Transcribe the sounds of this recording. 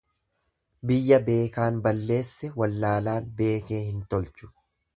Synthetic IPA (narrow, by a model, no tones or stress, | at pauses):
bɪjːɐbe̞ːkaːnbɐlːe̞ːsːɛwɐlːaːlaːnbe̞ːke̞ːhɪnt̪ɔlt͡ʃʊ̥